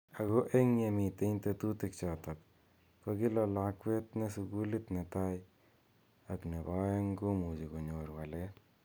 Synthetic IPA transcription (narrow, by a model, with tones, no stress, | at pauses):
a˨ɡo˦ʔe˦ŋɲe˨˧mi˨t̪e˦nt̪e˧t̪u˦t̪i˧kt͡ʃɔ˨t̪a˨k̚ | ka˧ɡɪ˦lɔ˧la˧kwe˦t̪ne˧su˧ɡu˦li˦t̪ne˨t̪a˦j | a˨kne˨ba˦e˦ŋɡo˦mu˨d͡ʒi˨ko˨ɲo˨ɾwa˨le˦